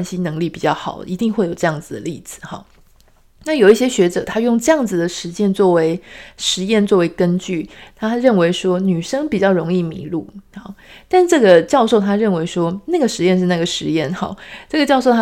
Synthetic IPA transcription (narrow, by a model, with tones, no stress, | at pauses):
nɕi˥nɤ˧˥ŋli˥˩pi˨˩t͡ɕjɑ˥˩ʊxɑ˨˩˦ʊi˧˥t̪i˥˧ŋxwe˥˩ɪjo˨˩ʈ͡ʂɤ˧jɑ˥˩ŋd͡zɹ̩˨˩d̪ə˩li˥˩d͡zɹ̩˨˩˦xɑ̰˨˩˦ | na˥˩jo˨˩ʊi˥˩ɕjɛ˥ɕɥɛ˧˥ʈ͡ʂɤ˨˩t̪ʰa˥jʊ˥˧ŋʈ͡ʂɤ˥˧jɑ˥˩ŋd͡z̩˨˩d̪ə˩ʂɻ̩˧˥t͡ɕjɛ˥˧nt͡swɔ˥˩we˧˥ɪʂɻ̩˧˥jɛ˥˧nt͡swɔ˥˩we˧˥ɪkə˥nt͡ɕy˥˩t̪ʰa˥ɻə˥˩nwe˧˥ɪʂwɔ˥ny˨˩ʂɤ˥ŋpi˨˩t͡ɕjɑ˥˩ʊɻo˧˥ŋi˥˩mḭ˧˥˦lṵ˥˩hɑ˨˩t̪a˥˧ʂʈ͡ʂɤ˥˩ɡə˨˩t͡ɕjɑ˥˧ʊʂo˥˩ʊt̪ʰa˥ɻə˥˩nwe˧˥ɪʂwɔ˥na˥˩ɡə˩ʂɻ̩˧˥jɛ˥˧nʂ̬̩˥˧na˥˩ɡə˩ʂɻ̩˧˥jɛ˥˩nxɑ̰˨˩˦ʈ͡ʂɤ˥˩ɡə˩t͡ɕjɑ˥˧ʊʂ̬o˥˧ʊt̪ʰ